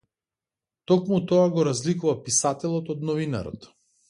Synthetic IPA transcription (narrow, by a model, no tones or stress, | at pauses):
t̪ɔkmut̪ɔaɡɔɾazlikuvapisat̪ɛlˠɔt̪ɔd̪nɔvina̰ɾɔ̰t̪